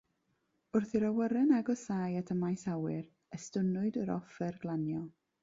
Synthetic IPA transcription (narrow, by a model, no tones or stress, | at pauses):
ʊrθiɾawəɾɛnaɡɔsaːjatʰəmajsawɪɾ | əstʊnʊɨdəɾɔ̰fɛrɡ̥lˠanjɔ